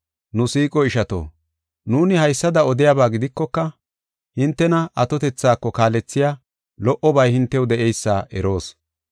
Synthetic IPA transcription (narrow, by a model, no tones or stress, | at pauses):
nʊsiːkʼɔɪʃɐt̪o̰ː | nuːnɪhɐjsːɐd̪ɐɔd̪ɪjabaːɡɪd̪ɪkːɔkːɐ | hɪnt̪ːɛnɐʔɐt̪ɔt̪ɛt͡sːaːkːɔkaːlɛt͡sːɪjaː | lɔʔɔbɐjhɪnt̪ːɛwd̪ɛʔɛjsːa̰ːʔɛɾo̞ːs